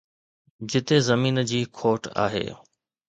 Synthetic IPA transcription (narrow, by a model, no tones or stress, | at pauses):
d͡ʑɪt̪ezɐmiːnd͡ʑiːkʰoːʈʰa̰ːɦḛː